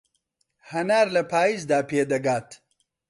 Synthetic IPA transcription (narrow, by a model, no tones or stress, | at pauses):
hɐnaːɾlɐpʰaːjiːzd̪aːpʰeːd̪ɐɡaːt̪